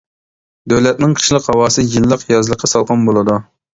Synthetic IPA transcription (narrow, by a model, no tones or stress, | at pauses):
d̪øwlɛt̪̚nɪŋqʰə̥ʃlˠəqhɑwɑːsɨjilˠːəqjɑzlˠəqʰːɑsɑlˠqʰɑnbolˠɨd̪u